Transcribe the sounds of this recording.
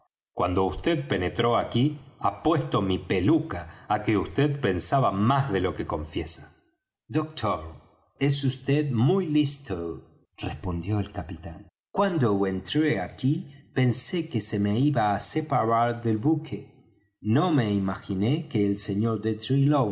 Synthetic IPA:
kwand̪o̞ust̪eðpe̞net̪ɾo̞akiapwe̞st̪o̞mipelukaːkeust̪eðpe̞nsaβamazðe̞lo̞ke̞ko̞ɱfjesḁ | d̪ok̚t̪ʰoɾ | es̬ust̪eðmujlist̪o | respo̞nd̪jo̞elkapit̪an | kwand̪owent̪ɾeakipe̞nsekese̞meiβaːsepaɾaɾðelβukʰe | no̞me̞imaxinekeːlseɲoɾd̪et̪ɾilow

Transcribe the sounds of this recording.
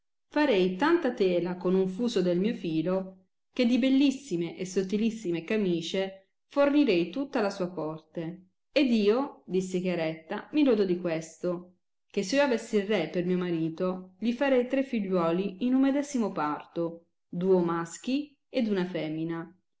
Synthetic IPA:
faɾɛjt̪ant̪at̪ɛːlakonuɱfuːsod̪elmiːofiːlo | k̟ed̪ibelːisːimeʔesːot̪ːilisːimekamiːt͡ʃe | forniɾɛjt̪ut̪ːalasuːapɔrt̪e | ed̪iːod̪isːek̟jaɾɛt̪ːamilɔd̪ɔd̪ikwest̪o | kesːeioavesːirrepermiːomaɾiːt̪oʎifaɾɛjt̪ɾefːiʎːwɔːliinumːed̪ɛzimopart̪o | d̪uːomask̟i | ed̪unafɛːmina

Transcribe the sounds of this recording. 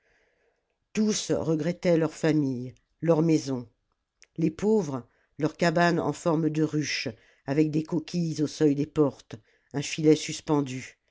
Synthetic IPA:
t̪usʁəɡʁɛt̪ɛlœʁfamij | lœʁmɛzɔ̃ | lepovʁ | lœʁkabanɑ̰̃fɔʁmd̪əʁyʃ | avɛk̚d̪ekɔkʲʰizosœjd̪epɔʁt̪ | ɛ̃filɛsyspɑ̃d̪y

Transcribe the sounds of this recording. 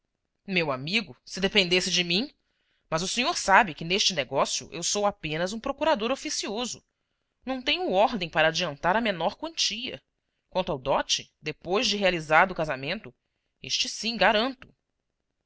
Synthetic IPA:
mewamiɡʊsɪd̪epẽnd̪esɪd͡ʒɪmĩ | mɐzʊsẽɲoɾsabɪkɪneʃt͡ʃɪneɡɔsjʊ̰ʔḛwsowapẽnɐzũpɾokuɾad̪oɾofisiozʊ | nɐ̃w̃t̪ẽɲʊɔɾd̪ẽj̃paɾɐːd͡ʒiɐ̃nt̪aɾɐmenɔɾkwɐ̃nt͡ʃiɐ̰ | kwɐ̃nt̪ʊawd̪ɔt͡ʃɪd̪epojzd͡ʒɪɦealizaɾd̪ʊkazamẽnt̪ʊ | eʃt͡ʃɪsĩɡaɾɐ̃nt̪ʊ̥

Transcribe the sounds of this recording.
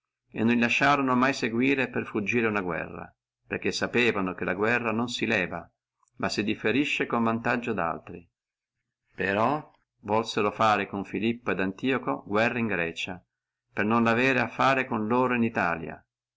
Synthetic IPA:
ḛnːonilaʃːaːɾonomajseɡwiːɾeperfud͡ʒːiːɾeunaɡwɛ̰rːa̰ | perk̟ːesːapɛːvanokelaɡwɛrːanonsilɛːva | masːid̪ifeɾiʃːekoɱvant̪ad͡ʒːod̪a̰lt̪ɾi | peɾɔ | vɔlseɾofaːɾekoɱfilipːoed̪ant̪iːokoɡwɛrːaiŋɡɾɛːt͡ʃa | pernonlavɛːɾeafːaːɾekonloːɾoinit̪a̰ːlja̰

